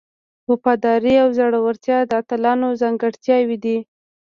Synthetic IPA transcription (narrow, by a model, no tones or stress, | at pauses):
wʊpɑd̪ɑɾiawzaɽawəɾt̪jɑd̪əat̪əlɑnozaŋɡəɽt̪jɑwid̪i